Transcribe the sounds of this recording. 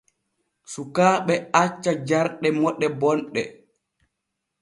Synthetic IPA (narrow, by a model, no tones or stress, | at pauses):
sukaːɓɛat͡ʃːad͡ʒaɾɗɛmɔɗɛbɔnɗɛ̰